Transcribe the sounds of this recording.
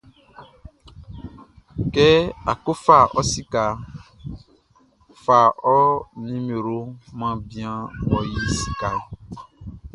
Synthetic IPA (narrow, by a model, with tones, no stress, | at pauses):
kɛ˦a˨ko˦fa˦˨ʔɔ˦si˦ka˨ | fa˨ɔ˦nĩ˦mẽ˨ɾo˦mã˦bi˦ã˦wɔ˦ji˦si̥˦ka˨